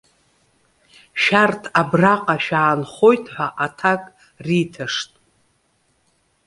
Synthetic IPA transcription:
ʃartʰabraqʼaʃᶣaːnχo̞jtʰʼħʷᶣaʔatʰakʼ | ritʰɨʂtʼ

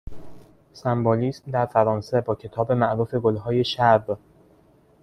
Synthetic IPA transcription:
sæmboːliːsmd̪æɾfæɾɒːnse̞bɒːcʰe̞t̪ʰɒːbe̞mæʔɾuːfe̞ɡolɦɒːje̞ʃæb

